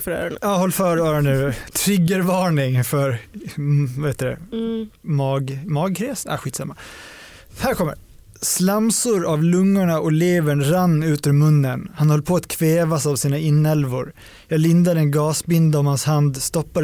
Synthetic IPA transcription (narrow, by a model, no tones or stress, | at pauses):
ɑːhɔlːfœːɾœːɾaɳət̪ʰɾʏɡːəɾvɑːɳɪŋfœɾ | vaheːt̪ədɛ̰ | mɑːɡmɑːɡ̚kʰɾɛːsa̰ɧiːt̪sa̰mːa | hæːɾkʰɔmːə̰ɾ | slamsʊɾavlɵŋːʊɳaʔɔleːvəɳɾanːʉ̟ːt̪əɾmɵnːənhanhɔlːpʰɔat̪kʰveːvasavsiːnaɪnːɛlvʊ̰ɾ | jɑːɡlɪnd̪ad̪əɛnɡɑːsbɪnd̪aɔmhanshand̪st̪ɔpːa